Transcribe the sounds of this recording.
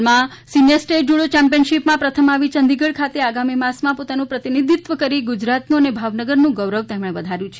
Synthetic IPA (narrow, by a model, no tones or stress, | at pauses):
mã | sinjəɾsʈeʈ̚d͡ʒuɽot͡ʃɛ̃mpijənʃipmãpɾət̪ʰəmaʋit͡ʃənd̪iɡəɭkʰat̪eaɡamimãsmãpot̪anũpɾət̪inid̪ʱit̪ʋəkəɾiɡud͡ʒɾat̪nuənebʱaʋnəɡəɾnũɡəʋɾəʋt̪emɽ̃eʋəd̪ʱaɾjũt͡ʃʰe